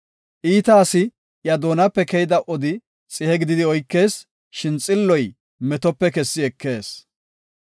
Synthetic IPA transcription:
ʔiːt̪ɐːsɪ | jɐd̪oːnɐpːɛkɛjɪd̪ɐʔɔd̪ɪ | t͡sʼɪhɛɡɪd̪ɪd̪ɪɔjkːe̞ːs | ʃɪnt͡sʼɪlːɔj | mɛt̪ɔpːɛkɛsːɪɛkːe̞ːs

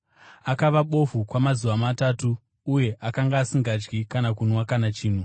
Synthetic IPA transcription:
akaʋaɓo̞fukwamazuʋamataːtuː | je̞ʔakaŋɡaːsiŋɡad͡ʒɡikanakunwakanat͡ʃiːn̤u

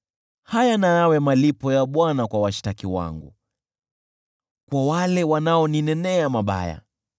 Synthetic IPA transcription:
hajanajawɛmalipɔjaɓwanakwawaʃi̥takiwa̰ŋɡṵ | kwawalɛwanaɔninɛnɛamaɓa̰ja̰

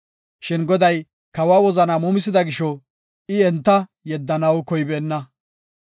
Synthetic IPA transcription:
ʃɪnɡɔd̪ɐj | kɐwaːwɔzɐnaːmʊmɪs̬ɪd̪ɐɡɪʃɔ | ɪɛnt̪ːɐjɛd̪ːɐnɐwkɔjbeːnːɐ

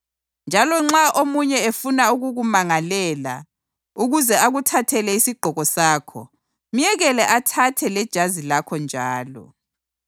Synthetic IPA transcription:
nd͡ʒʱalɔŋ͡ǁaʔomuɲɛefunauɣuɣumaŋalɛːla̰ | uɣuzɛaɣutʰatʰɛlɛisiɡ͡ǃ̥ʱɔɣɔsaːkʰɔ̰ | m̩jɛɣɛlɛʔatʰatʰɛlɛd̥ʒ̥ʱazilakʰɔnd͡ʒʱaːlɔ̰

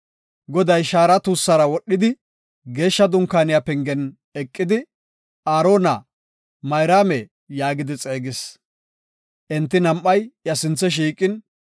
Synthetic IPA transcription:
ɡɔd̪ɐjʃaːɾɐt̪uːsːɐɾɐwɔɗːɪd̪ɪ | ɡe̞ːʃːɐd̪ʊŋkːaːnɪjapɛŋɡɛn | ɛkʼːɪd̪ɪ | aːɾo̞ːnɐ | mɐjɾaːmɛ | jaːɡɪd̪ɪt͡sʼe̞ːɡɪs | ʔɛnt̪ːɪnɐmʔːɐjjɐsɪnt͡sːɛʃ̬iːkʼɪn

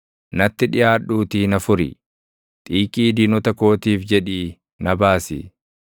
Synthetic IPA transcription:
nɐt̪ːɪᶑɪjaːᶑuːt̪iːnɐfʊɾɪ̰ | t̪ʼiːkʼiːd̪iːnɔt̪ɐko̞ːt̪iːfd͡ʒɛᶑiː | nɐbaːsɪ̰

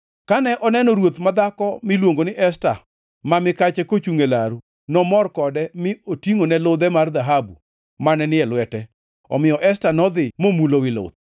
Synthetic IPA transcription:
kanɛʔɔnɛnɔɾwot̪mad̪akɔmɪlwoŋɡonɪʔɛsta | mamɪkat͡ʃɛkot͡ʃuŋelaɾu | nɔmɔrkɔdɛmɪotiŋonɛlʊd̪ɛmard̪aɦabṵ | manɛnɪɛlwɛtɛ | ɔ̰mɪjɔʔɛstanɔd̪ɪmomulowɪlʊ̰d̪̚

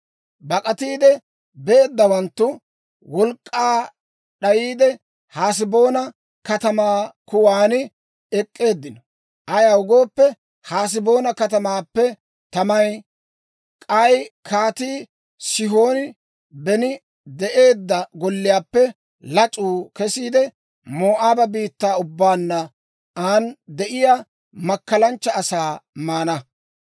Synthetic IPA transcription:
bɐkʼɐt̪iːd̪ɛ | beːd̪ːɐwɐnt̪ːʊ | wɔlkʼːaː | ɗɐjiːd̪ɛ | haːs̬ɪbo̞ːnɐ | kɐt̪ɐmaːkʊwaːnɪ | ɛkʼːe̞ːd̪ːɪnɔ | ʔɐjaʊɡo̞ːpːɛ | haːs̬ɪbo̞ːnɐkɐt̪ɐmaːpːɛ | t̪ɐmɐj | kʼɐjkʰaːt̪iː | sɪɦo̞ːnɪ | bɛnɪ | d̪ɛʔe̞ːd̪ːɐɡɔlːɪjaːpːɛ | lɐt͡sʼuːkɛsiːd̪ɛ | moːʔaːbɐbiːt̪ːaːʊbːaːnːɐ | aːnd̪ɛʔɪja | mɐkːɐlɐnt͡ʃːɐːsaːmaːnɐ

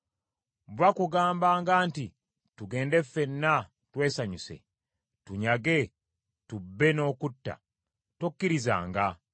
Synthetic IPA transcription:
βwakuɡaːmbaːŋɡaːnti | tuɡe̞ːnde̞fe̞nːa | twe̞ːsaɲuse̞̰ | tuɲaɡe̞ | tubːe̞no̞ːkutːa̰ | tokːiɾiza̰ːŋɡa

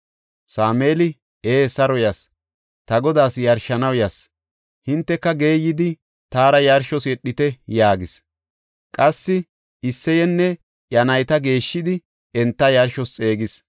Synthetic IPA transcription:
saːmeːlɪ | eːsɐɾɔjɐs | t̪ɐɡɔd̪aːsjɐɾʃːɐnɐwjɐs | hɪnt̪ːɛkːɐɡe̞ːjːɪd̪ɪ | t̪aːɾɐjɐɾʃɔsɛɗːɪt̪ɛjaːɡɪs | kʼɐsːɪ | ɪsːɛjɛnːɛ | jɐnɐjt̪ɐɡe̞ːʃːɪd̪ɪ | ɛnt̪ːɐjɐɾʃɔst͡sʼe̞ːɡɪs

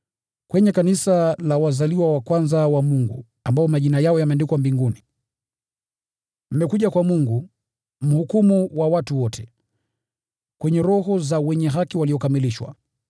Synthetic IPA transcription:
kwɛɲɛkanisalawazaliwawakwanzawamuŋɡṵ | ambaɔmaʄinajaɔjamɛndikwambiŋɡuni | m̩mɛkuʄakwamuŋɡu | m̩hukumuwawatuwɔtʰɛ̥ | kwɛɲɛɾɔɦɔzawɛɲɛɦakiwaliɔkamiliʃwa̰

